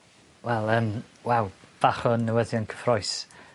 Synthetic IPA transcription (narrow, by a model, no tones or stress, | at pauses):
wɛlˠəːmwawv̥aχɔnːəwəðjɔnkʰə̥frɔjs